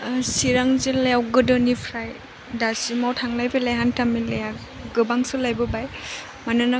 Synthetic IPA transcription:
siɾaŋzelejawɡɯdɔnipʰɾaj | dasimawtʰaŋlajpʰelajɦantamileja | ɡɯbaŋsɯlajbɯbaj | manɯna

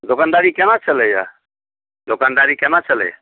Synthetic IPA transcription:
d̪okand̪aɾikenat͡ʃʰələja̰ | d̪okand̪aɾikenat͡ʃəlɛ̰j

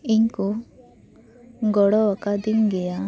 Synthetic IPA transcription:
iŋku | ɡɔɽɔwakad̪iŋɡɛja

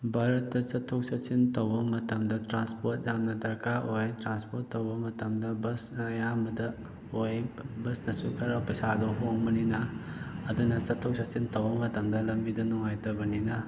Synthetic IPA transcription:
baɾɐtːɐsɐtʰːok̚sɐsintɐwbɐmɐtɐmdɐtɾanspot̚zamnɐdɐɾkaʔojtɾanspotːɐwbɐmɐtɐmdɐbɐsnɐːjambɐdɐ | ojbɐsnɐsukʰɐɾɐpɐjsadɔɦoŋbɐninɐː | dunɐsɐtʰːok̚sɐsintɐwbɐmɐtɐmdɐlɐmbidunɔŋajtɐbɐninɐ

